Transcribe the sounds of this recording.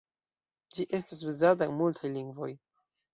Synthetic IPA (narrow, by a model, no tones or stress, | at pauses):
d͡ʒiʔe̞stas̬uzataenmultʰajliŋɡvo̞̰j